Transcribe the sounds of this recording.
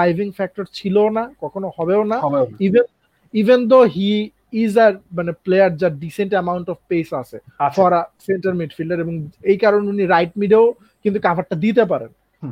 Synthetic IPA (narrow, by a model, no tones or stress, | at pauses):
ajvʱiŋfɛk̚ʈoɾt͡ɕʰilonakɔkʰonohɔbeonaiven | ivʱend̪oɦiː | zaɾmaneplejaɾd͡ʑaɾɖiseɳʈɛmawɳʈɔfpejsat͡ɕʰeafɔɾaseɳʈaɾmiɖfilɖeɾeboŋejkaɾoneuniɾajʈ̚miɖeo | kint̪ukabʱaɾ̚ʈːad̪it̪̬ep̬aɾḛn